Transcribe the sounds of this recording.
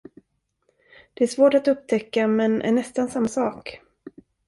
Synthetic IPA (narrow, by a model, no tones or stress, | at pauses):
d̪̥ɛæʂvoːʈat̪ɵp̚t̪ʰɛkːamɛnʔæ̰ɳɛst̪ansamːasɑːk